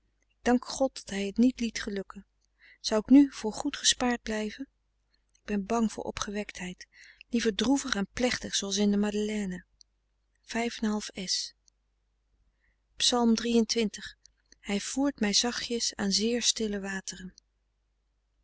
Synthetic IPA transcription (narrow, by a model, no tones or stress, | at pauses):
ɪɡ̚dɑŋkχɔt̚dɑtɦɛjɦətnitlitχəlɵkən | z̥ɑwɪknyv̥ʊːɹχutχəspaːɹd̚blɛjvən | ɪɡ̚bɛnbɑŋv̥ʊ̰ːɹʔɔ̰pχəʋɛktɦɛjtlivəɹdruvəχɛnplɛχtəχsowɑlˠs̬ɪndəmadəlɛːnə | v̥ɛjfɛnɦɑlˠfɛs | psɑlˠmdrijəntʋɪntəχ | hɛjv̥uːɹtmɛjzɑχjəsaːnzɪːɹstɪləʋaːtərən